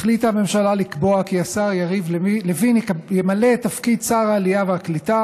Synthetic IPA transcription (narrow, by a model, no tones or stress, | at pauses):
χlitame̞mʃalalikbo̞akiasaʁjaʁivllevinkjemale̞tafkid̪̚t͡saʁaːlijaveaklita